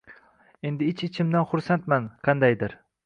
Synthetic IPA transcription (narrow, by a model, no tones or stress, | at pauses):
e̞nd̪ɪɪt͡ʃɪt͡ʃʰɪmd̪anχʊɾsant̪manqʰɑnd̪ajd̪ɪɾ